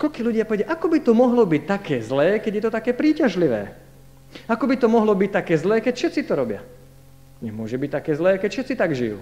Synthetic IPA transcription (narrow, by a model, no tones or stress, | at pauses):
kɔʎkiːluɟɪapɔʋɛjaʔakɔbit̪ɔmɔɦlɔbic̚t̪akɛːzlɛːkɛɟjɛt̪ɔt̪akɛːpɾiːcaʒliʋɛ̰ː | akɔbit̪ɔmɔɦlɔbic̚t̪akɛːzlɛːkɛcfʃɛt̪t͡sit̪ɔɾɔbɪa̰ | ɲɛmʊɔʒɛbic̚t̪akɛːzlɛːkɛcfʃɛt̪t͡sit̪aɡʒḭjṵː